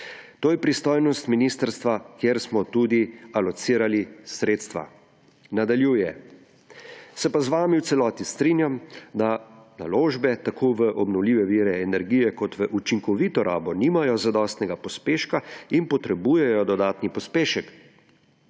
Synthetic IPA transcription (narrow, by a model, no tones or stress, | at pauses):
t̪oːjɛpɾist̪oːjnɔst̪minist̪əɾst̪ʋakjeɾsmɔt̪uːd̪ialɔt̪siːɾalisɾeːt̪st̪ʋa̰ | nad̪aljuːjɛ | sɛpazʋaːmiwt̪sɛlɔːt̪ist̪ɾinjamd̪ana̰loːʒbɛt̪akʰoːʋəʔɔbnɔwliːʋɛʋiːɾɛːnɛɾɡiːjɛkɔt̪ʋəʔut͡ʃiŋkɔʋiːt̪ɔɾaːbɔniːmajɔzad̪ɔst̪nɛɡapɔspeːʃkainpɔt̪ɾɛbuːjɛjɔd̪ɔd̪aːt̪nipɔspeːʃɛk